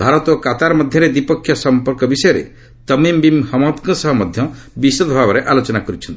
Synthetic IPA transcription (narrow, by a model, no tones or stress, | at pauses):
bʱaɾɔt̪ɔkat̪aɾɔmɔd̪ʱjɔɾed̪ipɔkʰjɔsɔmpɔɾkɔbisɔjɔɾḛ | t̪ɔmimbimhɔmɔt̪kɔsɔɦɔmɔd̪ʱjɔ | bisod̪ɔbʱabɔɾeʔalot͡ʃɔnakɔɾit͡ʃʰɔnt̪i̥